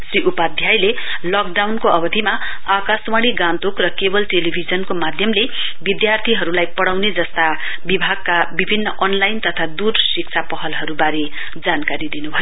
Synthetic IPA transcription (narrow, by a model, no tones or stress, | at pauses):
sriʔupad̪ʱjajle | lʌk̚ɖawnkoʌbʌd̪ʱima | akaswaɽ̃iɡãnt̪okrʌkebʌlʈelibʱid͡zʌnkomad̪ʱjʌmle | bid̪jart̪ʰiɦʌɾulajpʌɽawned͡zʌst̪a | bibʱaɡ̚kabibʱinːʌʔʌnlajnt̪ʌt̪ʰad̪ursik̚t͡sʰapʌɦʌlɦʌɾubaɾe | d͡zankaɾid̪inubʱʌjo